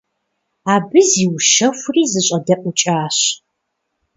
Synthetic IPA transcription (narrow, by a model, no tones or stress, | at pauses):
aːbɨziːwʃɐxʷʊriːzɨɕʼɐdɐʔʷʼʊt͡ʃʼaːɕ